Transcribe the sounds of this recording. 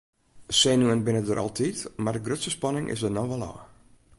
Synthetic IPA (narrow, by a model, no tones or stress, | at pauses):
senuənbɪnədəɾʔɑ̰lˠtʰitmardəɡrøtsəspɑnɪŋʔɪ̰sdənɔʋɔlˠɔ̰ː